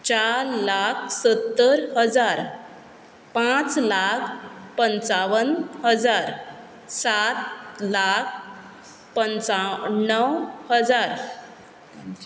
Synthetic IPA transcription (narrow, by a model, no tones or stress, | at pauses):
t͡ɕaɾlakʰsət̪ːəɾɦəd͡zaɾ | pãt͡slakʰpənt͡saʋənhəd͡zaɾ | sat̪lakʰ | pənt͡sanːəwhəd͡zaɾ